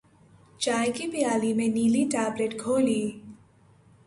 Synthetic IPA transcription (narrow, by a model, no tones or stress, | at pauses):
t͡ʃajkipijalimeniliʈableʈkʰoli